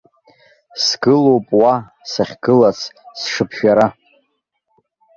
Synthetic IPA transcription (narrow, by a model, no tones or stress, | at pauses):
sɡ̥ɨlowpʼwa | saχʲɡ̥ɨlat͡sʰsʂɨpʰʃᶣaɾa